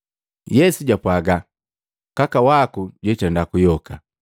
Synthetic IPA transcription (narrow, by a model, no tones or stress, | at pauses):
jɛsuɟapwaɡa | kakawakuɟwɛt͡ʃandakujɔka